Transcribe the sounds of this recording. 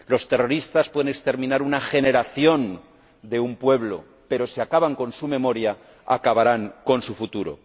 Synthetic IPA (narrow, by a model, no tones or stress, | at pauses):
lo̞st̪ero̞ɾist̪aspwe̞ðenekst̪e̞ɾmĩnaɾunaxe̞ne̞ɾaθjo̞n | d̪e̞umpwe̞βlo̞̰ | pe̞ɾo̞siakaβaŋko̞nsume̞mo̞ɾja | a̰kaβaɾaŋko̞nsufut̪uɾo̞̰